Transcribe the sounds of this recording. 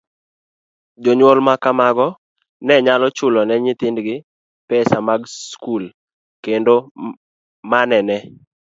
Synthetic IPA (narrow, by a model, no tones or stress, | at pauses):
d͡ʒoɲwɔlmakamaɡɔ | nɛɲalɔt͡ʃʊlɔnɛɲɪt̪ɪndɡɪ | pɛsamaɡskul | kendo | manɛnɛ